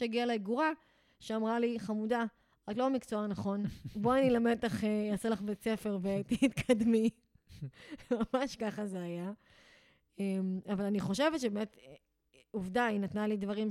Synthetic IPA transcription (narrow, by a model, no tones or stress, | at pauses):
aɡialeiɡuʁa | ʃeamʁaliχamuda | atlo̞mikt͡soanaχo̞nboanilame̞dtaχejaselaχbet͡se̞fe̞ʁvet̪it̪kʰadmi | mamaʃkaχazeaja | emavalaniχo̞ʃe̞vetʃebemet̪ | uvdainat̪nalidvaʁim